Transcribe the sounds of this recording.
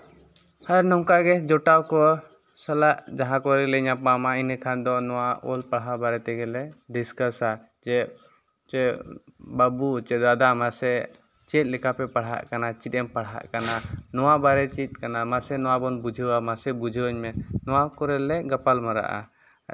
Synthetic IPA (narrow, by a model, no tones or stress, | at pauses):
haɾnɔmkaɡɛd͡ʒɔʈawkɔ | salaʔd͡ʒaɦãkɔɾɛlɛɲapamainəkʰand̪ɔnɔwaɔlpaɽɦabaɾɛt̪ɛɡɛlɛd̪iskəsa | d͡ʒɛ | t͡ʃɛ | babut͡ʃɛd̪ad̪amasɛ | t͡ʃɛt̪̚ˀlɛkapɛpaɽɦa̰ʔkanat͡ʃit̪̚ˀɛmpaɽɦa̰ʔkananɔwabaɾɛt͡ʃit̪̚ˀkanamasɛnɔwabɔnbud͡ʒʱəwamasɛbud͡ʒʱəwəɲmɛnɔwakɔɾɛlɛɡapalmaɾa̰ʔa̰